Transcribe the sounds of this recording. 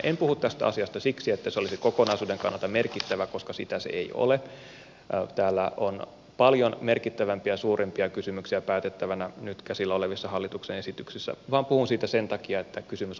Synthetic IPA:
empuhut̪t̪æst̪æ̰ɑ̰siɑst̪ɑsiksiet̪ːæseolisikokonɑisuːdeŋkɑ̰nːɑlt̪ɑmerkit̪ːæʋæko̞skɑsit̪æsḛḛio̰le | t̪æːlːæ̰on | pɑljonme̞rkit̪ːæʋæmpiɑsuːrʔempiɑkysymyksiæpæːt̪et̪ːæʋænænyt̪kæsilːæoleʋisːɑhɑlːit̪uksenesit̪yksisːæ̰ʋɑːmpuhunsiːt̪æsent̪ɑkiɑet̪ːækysymys

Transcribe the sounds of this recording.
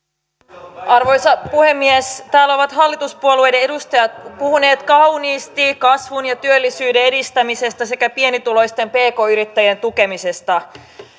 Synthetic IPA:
ʔɑrʋo̞jsɑpuhe̞mːiest̪æːlːæo̞ʋɑt̪ɦɑlːit̪uspuolue̞jdee̞dust̪ɑjɑt̪puhune̞ːt̪kɑwniːst̪ikɑsʋunjɑt̪yølːisyːde̞e̞dist̪æmise̞st̪ɑse̞kæpienit̪ulo̞jst̪e̞mpe̞ːko̞ːyɾit̪ːæjent̪uk̟e̞mise̞st̪ɑ

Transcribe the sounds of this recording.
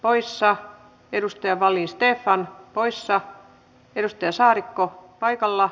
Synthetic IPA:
poisːɑ | edust̪ɑjɑʋɑlːiːnst̪eːfːɑnpoisːɑ | edust̪ɑjɑsɑːɾikːopɑikɑlːɑ

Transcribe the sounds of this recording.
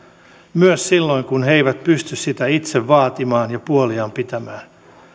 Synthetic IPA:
myøssilːoiŋkunheiʋæt̪pyst̪yssit̪æit̪seʋʋɑːt̪imɑːnjɑpuoliɑːmpit̪æmæːn

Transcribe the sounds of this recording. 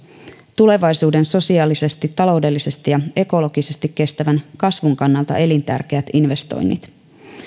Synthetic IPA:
t̪ule̞ʋɑjsuːde̞nso̞siɑːlise̞st̪it̪ːɑlo̞wde̞lːise̞st̪ijɑe̞ko̞lo̞ɡ̥ise̞st̪ikːe̞st̪æʋænkɑsʋuŋkɑnːɑlt̪ɑ̰ʔe̞lint̪æ̰rk̟eæt̪inʋe̞st̪o̰jnːḭt̪

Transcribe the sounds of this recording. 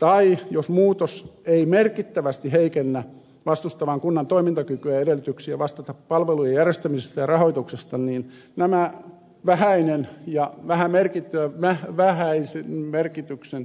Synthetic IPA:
t̪ɑijosmuːt̪oseimerkit̪ːæʋæst̪iheikenːæ | ʋɑst̪ust̪ɑʋɑŋkunːɑnt̪oimint̪ɑkykyæedelːˑyt̪yksiæʋɑst̪ɑt̪ɑppɑlʋelujejærjest̪æmisest̪ɑjɑrɑhoit̪uksest̪ɑniːn | næmæ | ʋæhæinenjɑʋæhæmerkit̪ːyæmæhʋæhæisenmerkit̪yksen

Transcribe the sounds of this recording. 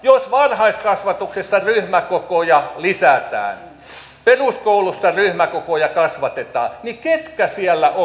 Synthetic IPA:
josʋɑrhɑiskɑsʋɑt̪uksesːɑryhmækokojɑlisæt̪æ̰ːn | peruskoulusːɑryhmækokojɑkɑsʋɑt̪et̪ɑ̰ːniket̪kæsiælːæʔo

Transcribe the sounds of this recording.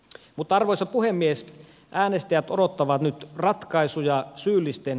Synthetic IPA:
mut̪ːɑɑrʋoisɑpuhemːies | ʔæːnest̪æjæt̪odot̪ːɑʋɑt̪nyt̪rɑt̪kɑisujɑsyːlːist̪en

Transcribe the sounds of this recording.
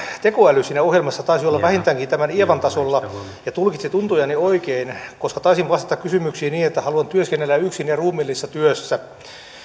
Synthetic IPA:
t̪ekoælysiːnæohjelmɑsːɑt̪ɑisiolːɑʋæhint̪æːŋkint̪æmænieʋɑnt̪ɑsolːɑ | jɑt̪ulkit̪sit̪unt̪ujɑnioikeinkoskɑt̪ɑisiʋʋɑst̪ɑ̥t̪ɑkkysymyksiːniːnet̪ːæhɑluɑnt̪yøskenːelːæyksinjɑruːmilːisːɑt̪yøsːæ

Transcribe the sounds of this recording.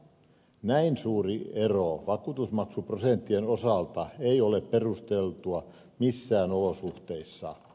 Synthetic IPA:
næinsuːrieroʋɑkuːt̪usmɑksuprosent̪ːienosɑlt̪ɑeiolepperust̪elt̪uɑ | misːæːnolosuht̪eisːɑ̰

